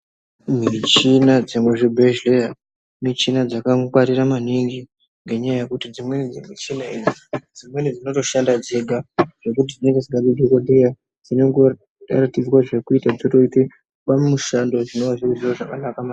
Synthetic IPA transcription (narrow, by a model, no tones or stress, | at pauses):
mit͡ʃinad͡zemweʐibʱeʒleja | mit͡ʃinad͡zakakwaɾiɾamaniŋɡi | ŋɡe̞ɲajaje̞kutid͡zimwe̞nid͡zemit͡ʃinainid͡zimwe̞nid͡zino̞to̞ʃandad͡zeɡʱaʐ̥e̞kut̬id͡zineŋɡed͡ziɡaɗidʱekodeja | d͡zineŋɡo | a̰ratid͡zwaʐe̞kuitad͡zoto̞ite | ɓamuʃando̞ʐino̞ʋaʐiuziroʐakanakama